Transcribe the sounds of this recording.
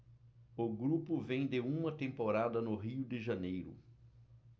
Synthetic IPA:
ʊɡɾupʊvẽj̃d̪ɪũmɐt̪ẽmpoɾad̪ɐnʊɦiʊd̪ɪʒɐnejɾʊ̰

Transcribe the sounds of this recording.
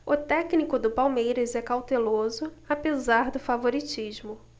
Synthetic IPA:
ʊt̪ɛknikʊd̪ʊpawmejɾɐzɛkawt̪elozʊapezaɾd̪ʊfavoɾit͡ʃiʒmʊ

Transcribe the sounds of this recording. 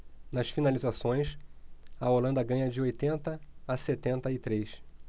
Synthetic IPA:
nɐsfinalizasõj̃sɐolɐ̃nd̪ɐɡɐ̃ɲɐd͡ʒɪojt̪ẽnt̪ɐːset̪ẽnt̪ɐɪt̪ɾejs

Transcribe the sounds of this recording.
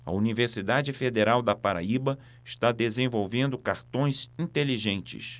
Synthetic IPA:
ɐ̰univeɾsid̪ad͡ʒɪfed̪eɾawd̪ɐpaɾa̰ibɐ | ɪʃt̪ad̪ezẽvowvẽnd̪ʊkaɾt̪õj̃zĩnt̪eliʒẽnt͡ʃɪ̰s

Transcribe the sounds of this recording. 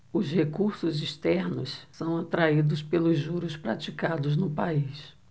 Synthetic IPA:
ʊzhekuɾsʊziʃt̪ɛɾnʊ̰ssɐ̃w̃at̪ɾaid̪ʊspelʊzːuɾʊspɾat͡ʃikad̪ʊznʊpais

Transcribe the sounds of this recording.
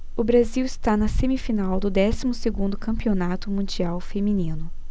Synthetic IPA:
ʊbɾaziwɪst̪anɐsemifinawd̪ʊd̪ɛsimʊseɡũnd̪ʊkɐ̃mpionat̪ʊmũd͡ʒiawfemĩnĩnʊ

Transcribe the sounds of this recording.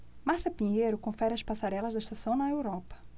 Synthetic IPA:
masɐpĩɲejɾʊkõfɛɾɪɐspasaɾɛlɐzd̪ɐɪʃt̪asɐ̃w̃nɐewɾɔpɐ̥

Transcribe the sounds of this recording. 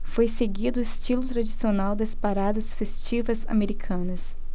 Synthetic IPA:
fojseɡid̪ʊist͡ʃilʊt̪ɾad͡ʒisionawd̪ɐspaɾad̪ɐsfest͡ʃivɐza̰meɾikʰɐ̃nɐs

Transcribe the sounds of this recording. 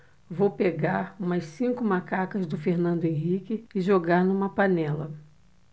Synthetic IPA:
vowpeɡaɾũmɐssĩkʊmakakɐzd̪ʊfeɾnɐ̃nd̪ʊẽɦikɪɪʒoɡaɾnũmɐpanɛlɐ

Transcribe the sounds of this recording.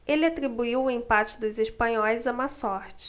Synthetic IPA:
elɪat̪ɾibuiwʊẽmpat͡ʃɪd̪ʊzeʃpɐ̃ɲɔjzɐmasɔɾt͡ʃɪ̥

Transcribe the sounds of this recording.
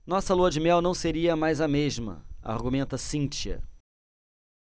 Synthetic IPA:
nɔsɐluɐd͡ʒɪmɛwnɐ̃w̃seɾiɐmajzɐmeʒmɐ̰a̰ɾɡumẽnt̪ɐsĩnt͡ʃiɐ̰

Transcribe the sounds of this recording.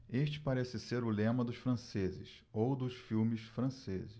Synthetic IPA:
eʃt͡ʃɪ̥paɾɛsɪseɾʊlẽmɐd̪ʊʃfɾɐ̃sezɪ̰s | owd̪ʊʃfiwmɪsfɾɐ̃sezɪʃ

